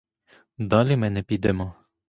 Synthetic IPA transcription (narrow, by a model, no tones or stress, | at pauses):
d̪alimɛnɛpid̪ɛmɔ